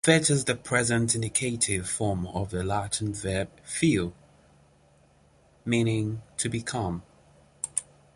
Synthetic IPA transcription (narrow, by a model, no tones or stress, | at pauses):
fɪtɪzðəpʰɹ̥ɛzə̃ntɪ̃ndɪkʰeɪtʰɪv̥fɔːməvðəlaˑtn̩vɛb̥̚filˠ | mĩːnɪ̃ŋtʰəbɪkʰʌ̃m